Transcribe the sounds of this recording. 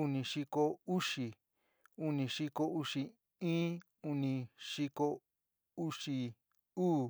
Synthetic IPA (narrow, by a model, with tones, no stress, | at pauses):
u˧nĩ˧ʂi˧ko˧u˦ʂi˨ | u˧nĩ˧ʂi˧ko˧u˧ʂi˧ | ĩː˦ | u˧nĩ˧ʂi˧ko˧ | u˦˧ʂi˧ | uː˦˨